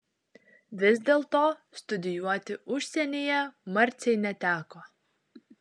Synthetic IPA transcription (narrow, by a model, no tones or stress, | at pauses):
vʲɪzd̪ʲelˠt̪oːst̪ʊd̪ʲɪjuɔt̪ʲɪʔuʃʲsʲɛnʲijɛmaɾʲt̪sʲɛjnʲɛt̪ʲæːkoː